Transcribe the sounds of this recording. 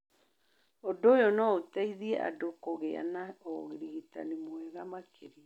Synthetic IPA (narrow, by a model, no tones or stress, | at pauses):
odoːjɔnɔotɛiðiɛʔa̰dokoɣea̰naɔɣiɾiɣita̰nemwɛɣamakʰeɾia